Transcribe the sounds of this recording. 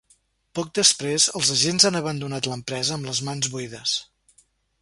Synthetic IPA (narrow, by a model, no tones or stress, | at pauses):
pɔk̚d̪əspɾezəlˠzəʒenzanəβ̞ənd̪unat̪ləmpɾɛzəːmləzmanzβuiðəs